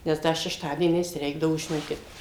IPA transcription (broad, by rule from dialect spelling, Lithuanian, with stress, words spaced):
nʲɛs ˈdɐ ʃʲɛʃˈtɑːdʲiɛnʲɛɪs ˈrʲɛɪɡdɐʋoː ʒʲɪˈnoːkʲɪt